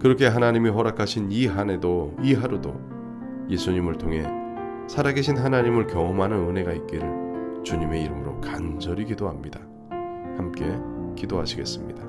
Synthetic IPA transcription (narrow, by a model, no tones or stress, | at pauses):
kɯɾʌkʰe̞ɦanaɲimiɦʌɾakʰaɕʰiniɦane̞doiɦaɾudo̰ | je̞sʰuɲimɯɭtʰoŋɦe̞ | sʰaɾaɡeɕʰinɦanaɲimɯɭkjʌomɦanɯnɯne̞ɡait̚k͈iɾɯɭt͡ɕuɲime̞iɾɯmɯɾokand͡ʑʌɾikidoɦamɲida | hamk͈e̞kidoɦaɕʰiɡe̞̰s͈ɯmɲḭda